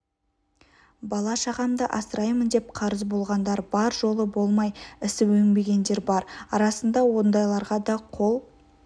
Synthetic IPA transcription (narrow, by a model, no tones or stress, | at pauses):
bɑlˠɑʃɑʁɑmd̪əʔɑsəɾɑjmənd̪e̞p̚qʰɑɾəzbo̞lˠʁɑnd̪ɑɾbɑɾʒo̞lˠəbo̞lˠmɑjɪsɪɵŋbe̞ɡʲe̞nd̪e̞ɾbɑɾɑɾɑsənd̪ɑwo̞nd̪ɑjlˠɑɾʁɑd̪ɑqʰo̞lˠ